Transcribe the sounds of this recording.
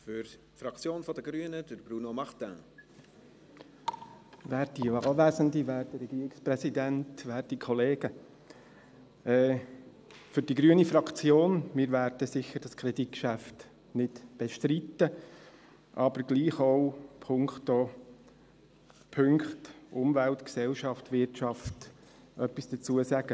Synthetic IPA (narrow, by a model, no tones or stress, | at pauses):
fʏɾtfɾɑkt͡sjoːnfɔd̪əɡɾyːənəd̥əɾb̥ɾunomɑχt̪æ̰̃ː | ʋæːɾd̥ivɑːlʋæːzəndiʋæːɾdəɾɛɡiːɾiksprɛsidæntʋæːɾd̥ikʰɔleːɡ̥ə | ɛː | fʏɾd̥iɡɾyənifɾɑkt͡sjoːnmɪɾvæːɾdəsɪçəɾd̥ɑskʰɾɛdit̚kʃæft | nɪtb̥ɛʃtɾitːə | ʔɑbəɾɡ̥liːχoʊpʰʊŋkχto | pʰʏŋkχtʔʊmvæltksɛlʃɑftvɪɾtt͡ʃɑft | ʔœpːisd̥ət͡suəsæɡ̥ə